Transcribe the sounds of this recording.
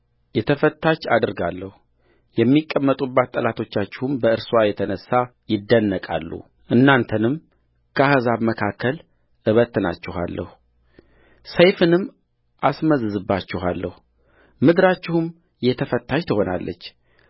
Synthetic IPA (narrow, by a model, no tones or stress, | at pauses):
jɛt̪ʰəfət̪ːat͡ʃːad̪ɨɾɡalːəhu | jɛmːikʼːəmːət̪ʼubːat̪ːʼəlat̪ʰo̞t͡ʃːat͡ʃːɪhumbəɨɾswajɛt̪ʰənəsːa | jɪd̪ːənːəkʼa̰lːṵ | ʔɨnːant̪ʰənɨm | kʰəhəzaβməkʰakʰːəl | ʔɨβət̪ːɨna̰t͡ʃːɪɦa̰lːʔə̰hu | səjfɨnɨmː | ʔasməzɨzɨbːat͡ʃːɪɦalːəhu | mɨd̪ɨɾat͡ʃːɪhum | jɛt̪ʰəfət̪ʰːaʃt̪ʰəho̞na̰lːə̰t͡ʃː